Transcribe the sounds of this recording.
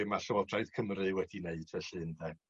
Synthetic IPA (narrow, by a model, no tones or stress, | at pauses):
ɪmaɬɔɔdraɨð̥kʰəmrɨwɛdineɨd̥vɛɬɨnðɛ